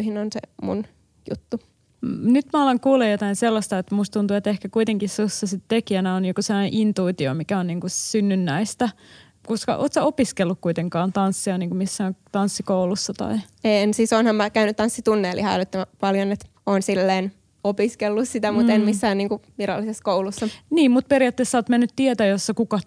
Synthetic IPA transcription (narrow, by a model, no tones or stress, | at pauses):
hinonsḛmṵn | jṵt̪ːu | nyt̪mæolːɑŋkuːlejot̪ɑinselːɑst̪ɑet̪must̪t̪unt̪uet̪ehkækuit̪eŋkissusːɑsit̪t̪ekiænæoniːkuselːɑneʔint̪uit̪iomikæonniːŋkusynːynːæist̪æ | kuskɑ̰ʔo̰ːt̪sæopiskelːukkuit̪eŋkɑːnt̪ɑnsːiɑniːŋkumisːæːŋt̪ɑnsːikoulusːɑt̪ɑ̰i | ensiːsonhɑmmækæynyt̪t̪ɑnsːit̪unːeːlihɑlot̪ːɑmpɑljonet̪ | oːnsilːeːn | opiskelːussit̪æmut̪enmisːæːnniːŋkuʋiɾɑ̰lːiseskoulusːɑniːmmut̪̚periɑt̪ːeːsːæoːt̪menːyt̪tiet̪æjosːɑkukɑ